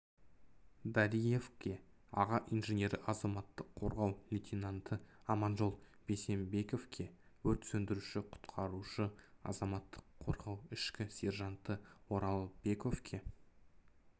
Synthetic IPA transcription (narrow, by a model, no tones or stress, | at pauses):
d̪ɑɾije̞fkʲe̞ | ɑ̰ʁɑʔijnʒenʲe̞ɾɪʔɑzɑmɑt̪ːəqʰːo̞ɾʁɑwlʲit̪ʰʲinant̪əɑmɑnʒo̞lˠbe̞se̞mbe̞ko̞vkʲʰe̞ | wɵt̪sɵnd̪ɪɾuʃɪqʰʊ̥t̪qʰɑɾuʃəɑ̰zɑmɑt̪ʰːə̥qʰːo̞ɾʁɑwɪʃkʲɪsʲe̞rʒɑnt̪əwo̞ɾɑlˠəb̥e̞ko̞fkʲʰe̞